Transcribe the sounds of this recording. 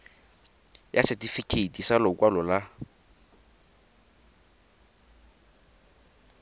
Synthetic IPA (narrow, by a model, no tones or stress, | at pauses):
jasɛtifikʰetʼisalɔkʼwalɔla